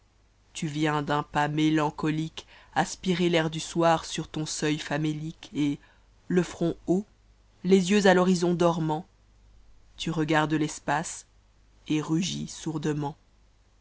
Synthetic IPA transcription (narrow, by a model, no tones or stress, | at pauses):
t̪yvjɛ̃d̪ɛ̃pamelɑ̃kɔlikaspiʁelɛʁd̪yswaʁsyʁt̪ɔ̃sœjfamelike | ləfχɔ̃o | lezjøzalɔʁizɔ̃d̪ɔʁmɑ̃ | t̪yʁəɡaʁd̪əlɛspas | eʁyʒisuʁd̪əmɑ̃